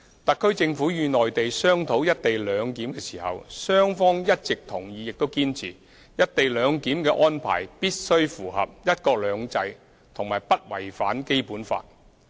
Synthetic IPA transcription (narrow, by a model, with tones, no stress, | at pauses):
t̪ɐ˨kʰːɵ˥ɥt͡sɪ˧ŋfuː˨˥jyː˨˧nɔː˨jt̪e˨jsœː˥ŋt̪ʰo˨˥wjɐ˥t̚t̪e˨jlœː˨˧ŋkiː˨˥mkɛː˧siː˨˩hɐ̰˨wsœː˥ŋfɔː˥ŋjɐ˥t̚t͡sɪ˨k̚t̪ʰʊ˨˩ŋjiː˨˧jɪ˨k̚t̪o˥wkiː˥nt͡sʰḭː˨˩ | jɐ˥t̚t̪e˨jlœː˨˧ŋkiː˨˥mkɛː˧ʔɔː˥npʰa̰ː˨˩jpiː˥t̚sɵ˥ɥfuː˨˩ɦɐ̰˨p̚jɐ˥t̚kɔː˧k̚lœː˨˧ŋt͡sɐ˧j | t̪ʰʊ˨˩ŋmaː˨˩jpɐ˥t̚wɐ̰˨˩jfaː˨˥nke˥jpuː˨˥nfa̰ː˧t̚